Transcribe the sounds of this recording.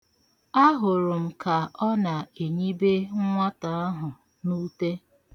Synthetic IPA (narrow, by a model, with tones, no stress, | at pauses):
a˦ɦʊ˨ɾʊ˨m̩˨ka˨ɔ˦na˨e˨ɲi˦be˦ŋ̩˦ŋʷa˦ta˨a˦ɦʊ˨ | nu˦te˦